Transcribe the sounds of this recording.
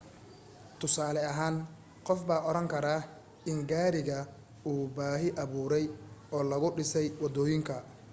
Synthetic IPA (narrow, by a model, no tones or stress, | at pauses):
t̪ʰʊsaːlɛɐɦaːn | qɔfbaːʔɔɾɐŋkʰɐɾaː | ɪŋɡaːɾɪɣɐ | uːbaːɦɪʔɐβuːɾɛjɔːlɐɣʊɖɪsɛjwɑd̪ɔːjɪŋkʰɐ